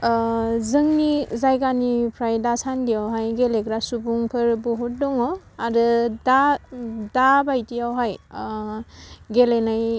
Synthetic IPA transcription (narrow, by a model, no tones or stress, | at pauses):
zɯŋnizajkanipʰɾajdasandijawɦajɡelekɾasubuŋpʰɯɾbɔɦɔt̚dɔŋɔ | aɾɯda | dabajtijawɦaj | ɡelenaj